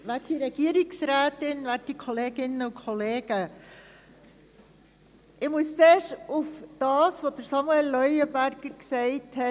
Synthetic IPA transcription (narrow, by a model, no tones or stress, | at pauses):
ʋæːd̥iɾɛɡ̥iəɾɪksɾæːtɪnʋæːɾ̚ikʰoleːɡ̥ɪnəʊnkʰoleːɡ̥ə | ʔɪmʊst͡seːʃufd̥ɑːsvod̥əɾsɑmuɛlːœʏəbæɾɡ̥əɾksɛɪthɛ